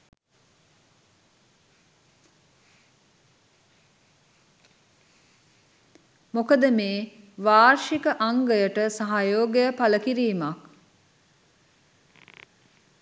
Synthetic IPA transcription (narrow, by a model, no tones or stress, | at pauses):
mokəd̪əmeːʋaːrʃikəʔaŋɡəjəʈəsaɦajoːɡejəpaləkiɾiːmak